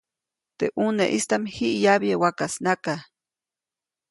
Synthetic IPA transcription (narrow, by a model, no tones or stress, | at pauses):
t̪eʔuneʔist̪amihiʔjaβjewakasnaka